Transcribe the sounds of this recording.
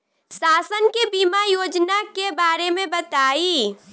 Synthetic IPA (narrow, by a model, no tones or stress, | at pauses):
saːsənkebiːmajoːd͡ʒnakebaːɾemẽbɐt̪aːiː